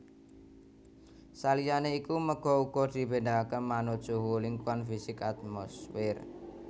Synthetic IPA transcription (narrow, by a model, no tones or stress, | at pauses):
salijaneikuməɡ̥ɔ̤uɡ̥ɔd̪̥i̤pendakəmanod̥ʒ̥oɦuliŋkwanfisɪkat̪̚mɔsfɪr